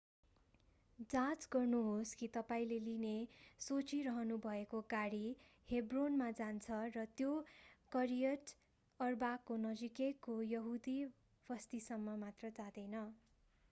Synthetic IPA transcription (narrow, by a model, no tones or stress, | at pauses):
d͡zat͡sɡʌrnuɦoskit̪ʌpaĩlelinesot͡siɾʌɦʌnubʱʌekoɡaɽi | hebronmad͡zant͡sʰʌrʌt̪jokʌɾijʌʈ | ʌrbakːonʌd͡zikekːojʌɦud̪i | bʱʌst̪isʌmːʌmat̪rʌd͡zad̪ʌjnʌ